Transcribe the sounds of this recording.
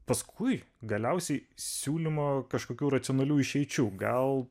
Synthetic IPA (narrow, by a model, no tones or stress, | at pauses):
pɐskʰʊɪ | ɡɐlʲɛʊsʲɛɪsʲuːlʲimoːkɐʃkoːkʲuːɾɐt̪ʲɪonɐlʲuːɪʃʲɛɪt͡ʃʲuːɡɐlˠ